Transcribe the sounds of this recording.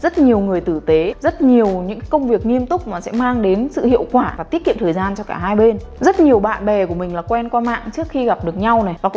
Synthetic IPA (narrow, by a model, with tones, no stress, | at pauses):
zə˦˥t̚ɲi˨˩əwŋɨ˨˩əjt̪ɨ˧˩t̪e˨˦zə˦˥t̚ɲi˨˩əwɲɨ̰˧˥ŋkaː˨˦jkə˧wŋ͡mvi˨˩ək̚ŋi˧əmt̪ʊ˦˥k͡p̚maː˨˩sɛ̰˧˥maː˧ŋɗe˨˦nsɨ̰˧˨hḭ˧˨əwkwaː˧˩aː˨˩t̪i˦˥ət̚kḭ˧˨mt̪ʰːjzaː˧nt͡ɕɔ˧kaː˧˩ɦaː˧jɓe˧n | zə˦˥t̚ɲi˨˩əwɓa̰ː˧˨nɓɛ˨˩ku˧˩əmï˨˩ŋ̟laː˨˩kwɛ˧nkwaː˧ma̰ː˧˨ŋt͡ɕɨ˦˥ək̚xi˧ɣa˨˩p̚ɗɨ˨˩ək̚ɲa˧wna˨˩vaː˨˩k